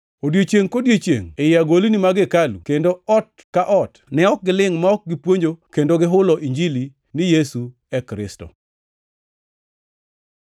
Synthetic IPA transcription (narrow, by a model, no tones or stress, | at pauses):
odjet͡ʃjeŋkodjet͡ʃjḛŋejɪaɡolinimaɡɪkalṵkendoɔt̚ | kaʔɔtnɛɔk̚ɡɪlɪŋmaɔk̚ɡɪpwoɲd͡ʒokendoɡɪɦʊlɔʔiɲd͡ʒili | nɪjesu | ɛkɾɪ̰stɔ̰